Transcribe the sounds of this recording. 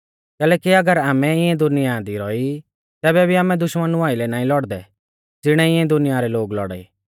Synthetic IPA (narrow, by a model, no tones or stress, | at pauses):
kɛːlɛːkiɐɡəɾaːmɛɪɛ̃d̪ʊnɪjad̪iɾɔi | t̪ɛːbɛbʱiaːmɛ̃d̪ʊʃmənʊaːilɛnaːĩlɔɽd̪ɛ | d͡zɪɽ̃ɛɪɛ̃d̪ʊnɪjaɾɛloːɡlɔ̰ɽa̰ḭː